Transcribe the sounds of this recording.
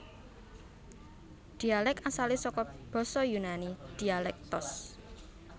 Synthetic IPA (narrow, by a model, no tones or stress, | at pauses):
d̪̥i̤alɛkasalesɔkɔb̥ɔ̤sɔjunanid̪̥i̤alɛk̚t̪ʊs